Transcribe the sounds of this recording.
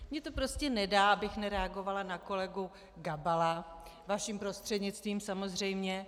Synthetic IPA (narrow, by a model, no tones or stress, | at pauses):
mɲɛt̪o̞pɾo̞scɛnɛdaːʔabɪxnɛɾɛaɡo̞valanako̞lɛɡu | ɡabala | vaʃiːmpɾo̞st̪r̥ɛdɲɪt͡st̪viːmsamo̞zr̝ɛjmɲɛ